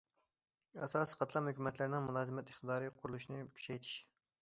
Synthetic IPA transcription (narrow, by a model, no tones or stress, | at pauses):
ɛ̰sɑːsi̥qʰɑt̪ʰlˠɑmhøkʲymɛt̪ʰlɪɾnɪŋmulˠɑːzɨmɛt̪ɪχt̪ɨd̪ɑːɾɨqʰʊɾulˠuʃinɨkʲʰy̥t͡ʃɛjt̪ʰi̥ʃ